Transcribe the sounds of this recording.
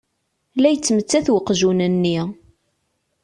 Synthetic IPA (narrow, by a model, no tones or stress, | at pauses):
læjət͡sːmət͡sːæθwəqːʒunənːi